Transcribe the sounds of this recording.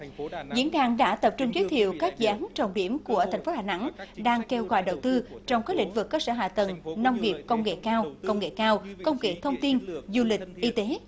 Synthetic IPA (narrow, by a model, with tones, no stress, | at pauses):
zḭ˧˥ənɗaː˧˩ŋɗa̰ː˧˥t̪ə˨˩p̚t͡ɕʊ˧ŋ͡mzi˨˦jt̪ʰḭ˧˨əwkaː˦˥k̚zɨ̰˧ʔaː˨˦nt͡ɕə˨˩wŋ͡mɗi˧˩əmku˧˩ət̪ʰɛ˨˩ŋ̟fo˨˦haː˨˩na̰˧˥ŋɗaː˧ŋke˧wɣɔ̰ː˧˩jɗə˨˩wt̪ɨ˧t͡ɕɔ˧wŋ͡mka˨˦˥k̚lḭ˧˥ŋ̟vɨ˨˩kːəː˧səː˧˩ɦa̰ː˧˨˩t̪ə˨˩ŋna˧wŋ͡mŋi˨˩əp̚kə˧wŋ͡mŋḛ˧˨kaː˧wkə˧wŋ͡mŋḛ˧˨kaː˧wkə˧wŋ͡mŋḛ˧˨t̪ʰə˧wŋ͡mt̪i˧nzu˧lï˨˩k̟̚ʔi˧t̪e˨˦